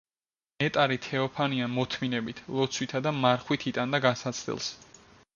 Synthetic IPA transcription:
mɛt̪ʼaɾit̪ʰɛɔpʰaniamɔt̪ʰminɛbit̪ʰlˠɔt̪sʰwit̪ʰad̪amaɾχwit̪ʰit̪ʼand̪aɡasat̪sʰd̪ɛ̰lˠs

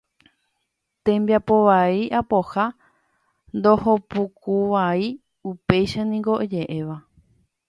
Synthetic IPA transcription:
t̪ẽmbjapo̞ʋaiʔapo̞ha | nd̪o̞hopukuʋai | upe̞jʃanĩŋɡo̞ʔed͡ʒe̞ʔe̞ʋa

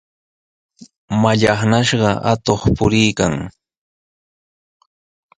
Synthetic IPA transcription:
maʎɑχnaʃɢɑʔa̰t̪oχpʊɾɪjkaŋ

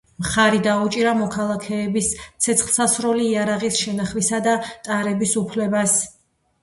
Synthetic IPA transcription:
mχaɾid̪aut͡ʃʼiɾamɔkʰalˠakʰɛːbist̪sʰɛt̪sχlˠsasɾɔliːaɾaʁisʃɛnaχwisad̪at̪ʼaɾɛbisupʰlɛbas

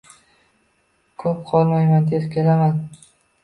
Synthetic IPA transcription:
kʰɵp̚qʰɒlˠmajmand̪ʰeskʲʰe̞laman

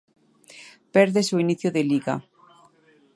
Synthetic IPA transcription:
pɛɾðesoiniθjoðeliɣa̰

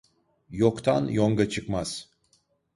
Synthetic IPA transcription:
jokt̪ʰa̰njoŋɡat͡ʃʰɯkmaz̥

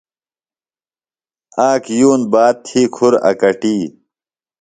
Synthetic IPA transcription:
aːkjuːnbaːt̪̚t̪ʰːiːkʰuɾɐ̰kɐʈiː

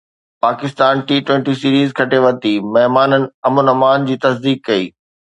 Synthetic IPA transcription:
paːkɪst̪aːnʈiːʈwẽːɳʈisiːɾiːzkʰɐʈeʋɐt̪imɐɦmaːnənɪ̆ɐmʊnɐmaːnd͡ʑiːt̪ɐsd̪iːkːɐiː

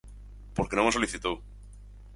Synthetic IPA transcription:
poɾkenomosoliθit̪ow

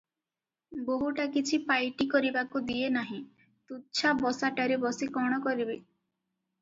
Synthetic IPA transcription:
boɦuʈakit͡ʃʰipajʈikɔɾibakud̪ienaɦĩ | t̪ut͡ʃʰabɔsaʈaɾebɔsikɔɽ̃ɔkɔɾibe

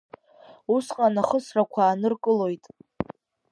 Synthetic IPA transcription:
usqʼanaχəsrakʷʰaːnɨrkʼɨlo̞jtʼ

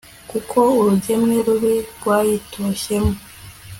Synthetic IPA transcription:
kukʰo̞uɾuɟe̞mŋeɾuβiɾɡwaːjitoʃe̞mo

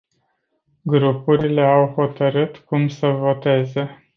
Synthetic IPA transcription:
ɡɾupuɾile̞awho̞t̪əɾɨt̪kumsəvo̞t̪e̞ze̞

